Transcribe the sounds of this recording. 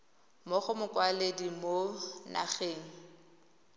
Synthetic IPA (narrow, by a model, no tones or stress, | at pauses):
mʊχʊmʊkwaledimona̰χeːŋ̩